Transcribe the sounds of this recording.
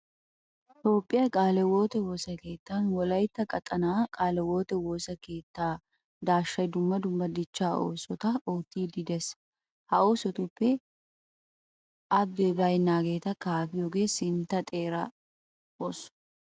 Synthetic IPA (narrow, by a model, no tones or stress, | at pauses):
t̪o̞ːpʼːɪjɐkʼaːlɛwoːt̪ɛwoːsɐke̞ːt̪ːanwɔlɐjt̪ːɐkʼɐt̪ʼɐnaːkʼaːlɛwo̞ːt̪ɛwoːsɐke̞ːt̪ːaː | d̪aːʃːɐjd̪ʊmːɐd̪ʊmːɐd̪ɪt͡ʃːaːʔo̰ːsɔt̪ɐoːt̪ːiːd̪ɪd̪ɛs | hɐoːsɔt̪ʊpːɛ | ʔɐbːɛbɐjnːaːɡe̞ːt̪ɐkaːfɪjoɡe̞ːsɪnt̪ːɐt̪ʼe̞ːɾɐ | oːs